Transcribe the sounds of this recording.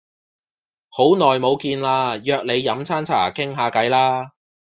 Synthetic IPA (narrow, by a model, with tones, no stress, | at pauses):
ho˨˥wnɔː˨jmo˨˧wkiː˧nlaː˧jœː˨˧k̚le˨˧jːɐ˨˥mt͡sʰaː˥nt͡sʰa̰ː˨˩kɪ˥ŋɦaː˨˧kɐ˨˥jlaː˥